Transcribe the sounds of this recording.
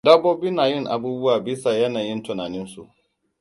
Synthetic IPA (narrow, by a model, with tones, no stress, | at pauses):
dɐ˦boː˦bi˦naː˨jɪ˦˨ŋʔa̰˨buː˦bʊ˦waː˨bɪ˦sa˨jɐ˦naː˨jɪ˦ntʊ˨naː˨nɪ˦nsṵ˨ʔ